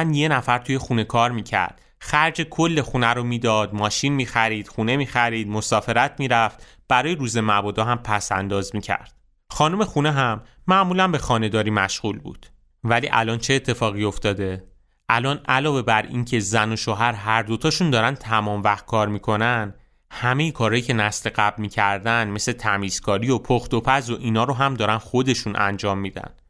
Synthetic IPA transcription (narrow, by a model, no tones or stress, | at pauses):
nje̞næfæɾt̪ʰuje̞xune̞kʰɒːɾmiːcʰæ̰ɾd̪̥ | xæɾd͡ʒekʰo̞lːe̞xunæɾomiːd̪ɒːd̪mɒːʃinmiːxæɾiːd̪̥xune̞miːxæɾiːd̪̚mosɒːfe̞ɾæt̪ʰmiːɾæft̪ | b̥æɾɒːjeɾuːze̞mæbɒːd̪ɒːɦæmpʰæsæ̰nd̪ɒːzmiːcʰæ̰ɾd̪̥̚ | xɒːnume̞xuneɦæmː | æʔmuːlæmbe̞xɒːne̞d̪ɒːɾiːmæʃɣuːlbṵːd̪̥ | væliːʔælɒːnt͡ʃʰeːt̪ʰːe̞fɒːɣio̞ft̪ɒːd̪e̞ | ʔælɒːnælɒːve̞bæɾḭːncʰe̞zæno̞ʃoːɦæɾɦæɾd̪o̞t̪ʰɒːʃund̪ɒːɾænd̪t̪ʰæmɒːmvæxt̪̚kʰɒːɾmiːkʰo̞nænd̪ | hæme̞jekʰɒːɾɒːjiːcʰe̞næsleɢæblmiːcʰæɾd̪ænme̞sle̞t̪ʰæmiːz̥kʰɒːɾiopʰoxt̪o̞pʰæzo̞ʔiːnɒːɾoɦæmd̪ɒːɾænxo̞d̪e̞ʃunʔæ̰nd͡ʒɒːmːiːd̪æ̰n